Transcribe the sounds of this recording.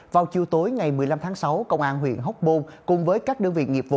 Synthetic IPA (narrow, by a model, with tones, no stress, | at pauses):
vaː˨˩wt͡ɕi˨əwt̪o˨˦jŋa˨˩jmɨ˨˩əjla˧mt̪ʰaː˨˦ŋsa˨˦wkə˧wŋ͡mʔaː˧nɦwḭ˧˨ənɦə˦˥wk͡p̚ɓo˧nkʊ˨˩ŋ͡mvəː˨˦jkaː˦˥k̚ɗə˧ŋvḭ˧˨ŋi˨˩p̚vṵ˧˨